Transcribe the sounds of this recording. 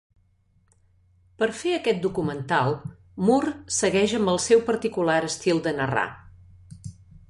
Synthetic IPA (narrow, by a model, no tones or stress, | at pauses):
pəɾfeəkɛt̪̚d̪ukumənt̪alˠ | mursəɣɛʒəmbəlˠsɛwpəɾt̪ikulaɾəst̪ilˠd̪ənəra̰